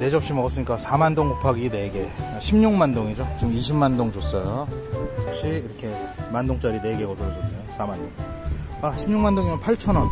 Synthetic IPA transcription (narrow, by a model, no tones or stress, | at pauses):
ne̞d͡ʑʌpɕ͈imʌɡʌs͈ɯɲik͈asʰamandoŋkopʰaɡine̞ɡe̞aɕʰimɲuŋmandoŋid͡ʑot͡ɕɯmiɕʰimmandoŋd͡ʑos͈ʌjoʌp̚ɕ͈iiɾʌkʰe̞mandoŋt͡ɕ͈ʌɾine̞ɡe̞ɡʌsʰʌed͡ʑʌmosʰamandoŋ | aɕʰimɲuŋmandoŋimʌnpʰaɭt͡ɕʰʌnʌn